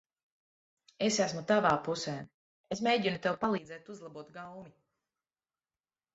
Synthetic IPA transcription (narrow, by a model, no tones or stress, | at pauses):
esæsmut̪avaːpusɛː | esmʲejɟinut̪ewpalˠiːd̪zɛːt̪uzlˠabuɔt̪ɡawmi